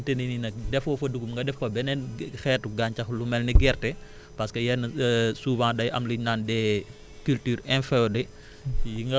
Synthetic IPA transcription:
tenininɐk̚dɛfɔfɐduɡumŋɡɐdɛfɐbɛnɛnxɛːtuɡaɲcɐxlumɛlniɡɛːrtɛ | pɐskəjɛnsuːbãːdɐjɐ̰mliɲnaːndɛ | kyltyːɾɛnfɛɔdɛ | jiŋɡɐ

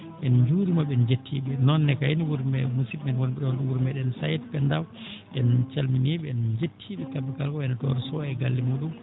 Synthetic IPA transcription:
ɓɛnd͡ʒuɾimaɓɛnd͡ʒetʰːḭɓɛnɔnːɛkajeniwuɾmɛmusiɓɛnwɔnɛɗɔɾɗɛwuɾmɛɗɛnsajtpɛndawɗɛnt͡ʃalminiɓɛɛnd͡ʒetʰːiɓɛkabikalkɔɛnatɔ̰ɾsɔɛɡalːimuɗum

